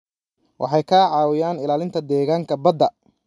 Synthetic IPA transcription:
wʔɑ̰ħɑjkʰaːʕɑːwɪjaːnɪlaːlɪnt̪ʰɐd̪ɛːɣaːŋkʰɐbɐd̪ɐ

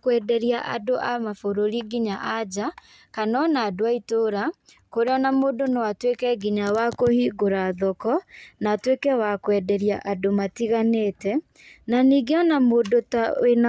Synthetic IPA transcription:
kwɛdɛɾiaʔa̰doʔamafoɾoɾiɡiɲaʔad͡ʑa | kanɔnaːdoaitoɾa | koɾeɔnamoːdonɔwatwekɛɡiɲawakohiːɡoɾaðɔkɔnatwekɛwakwɛdɛɾiaʔadomatiɣaneːtɛ | naniɡeɔnamoːdotaena

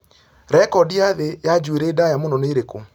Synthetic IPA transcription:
ɾɛkɔdiaðejad͡ʒueɾeːdajamonɔneːɾeko

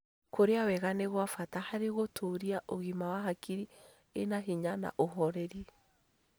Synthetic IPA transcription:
koɾeawɛɣaneɣwafatahaɾeɣotʰoɾiaʔoɣimawaɦakiɾi | enaɦiɲana̰ʔoɦɔɾɛɾi

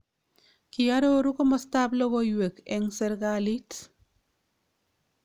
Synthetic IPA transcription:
kijaɾoɾukɔmɔstablɔɡɔjwekɛŋsɛɾɡalit

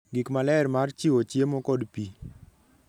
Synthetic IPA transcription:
ɡikmalɛrmart͡ʃiwot͡ʃjemɔkɔdpi

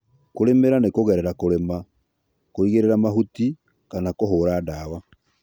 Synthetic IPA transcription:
koɾemeɾanekoɣɛɾɛɾakoɾema | koiɣeɾeɾamaɦuti | kanakoɦoːɾaːdawa

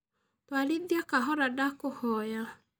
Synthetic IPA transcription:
twaliðiakaɦɔɾadakohɔja

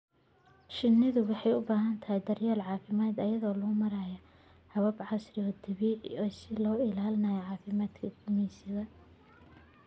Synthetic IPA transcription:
ʃɪnːɪðʊwɑħɑjʊbaːɦɐnt̪ʰɐhɛjd̪ɐrjaːlʕɑːfɪmaːd̪ɐjɐðɔːlʊʊmɐɾaːjɐ | hɐβɐbʕɑsrɪɔːd̪ɐβiːʕɔːsɪlɔːɪlaːlɪnɐjɐʕɑːfɪmaːd̪kʰɐkʰʊmiːsɪðɐ

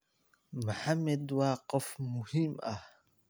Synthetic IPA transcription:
mʊħamːad̪waːqɔfmʊhimʔa

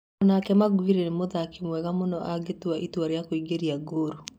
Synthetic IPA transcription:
nakɛmaɡwiɾenemoðakemwɛɣamonɔʔaɡetuaʔitwaɾeakoiɡeɾiaɡoɾo

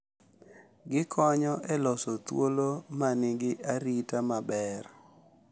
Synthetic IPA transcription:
ɡɪkʰɔɲɔʔɛlɔsot̪wolomanɪɡɪʔaɾitamabɛr

